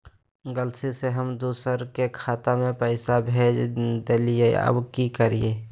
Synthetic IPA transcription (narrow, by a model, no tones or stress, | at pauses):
ɡəlseseɦəmd̪uːsəɾkekʰaːt̪amẽpəɪsabʱeːd͡ʒd̪eːlijeə̰bkikəɾijeː